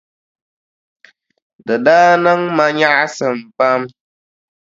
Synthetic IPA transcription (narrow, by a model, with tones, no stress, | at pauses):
dɨ˨daː˦nɨ˦ŋma˦ɲa˦ʔsɨ˨m˨pa˦m